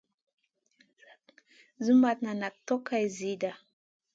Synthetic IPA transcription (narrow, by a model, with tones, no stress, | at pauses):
zu˦ma˨t̪na˨na˨k̚to˦ka˨jzi˦da˨